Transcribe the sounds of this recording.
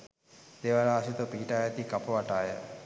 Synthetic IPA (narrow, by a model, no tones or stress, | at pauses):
d̪̥eːʋaɾaːsit̪opiːʈaːjɛt̪ikapəʋaʈaːjə̰